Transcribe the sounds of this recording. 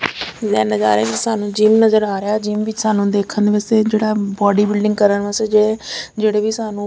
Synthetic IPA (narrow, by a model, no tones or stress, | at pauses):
zɛːnad͡ʒa̰ːɾeːkisaːnũːd͡ʒiːmnəzəɾaːɾɪjaːd͡ʒiːmʋɪt͡ʃsaːnũːd̪eːkʰənd̪ʋəseːd͡ʒeːɽaːbɔːɖiːbɪlɖɪŋɡkəɾənʋəsed͡ʒeːd͡ʒeːɽeːʋiːsaːnũː